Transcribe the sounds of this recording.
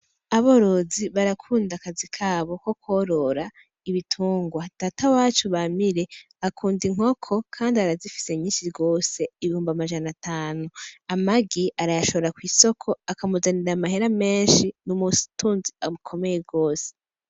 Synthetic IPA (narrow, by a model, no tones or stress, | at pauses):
aβo̞ɾo̞ziβaɾakʰuːndakazikʰaːβo̞ko̞kwoɾo̞ɾa | iβitʰuːŋɡwad̥aːtawaːt͡ʃuβamiɾe̞ | akʰuːndiŋ̥ho̞kʰo̞kʰaːndiaɾazifi̥se̞ɲiːʃiɾɡo̞ːse̞iβihuːmbamaʒanataːnuamaɡiʔaɾajaʃo̞βoɾakwiːso̞kʰo̞akamuzaniɾamaɦeɾame̞ːnʃinumusu̥tʰuːnziamukʰo̞me̞je̞ɡo̞ːse̥